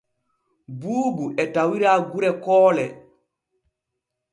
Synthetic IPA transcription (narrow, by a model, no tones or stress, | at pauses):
buːɡuʔɛtawiɾaːɡuɾɛkɔːlɛ